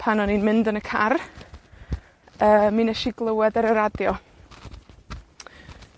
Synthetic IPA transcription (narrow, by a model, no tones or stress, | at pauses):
pʰanɔninmɪndənəkʰar | əːminɛʃiɡlˠəwɛdəɾəɾadjɔ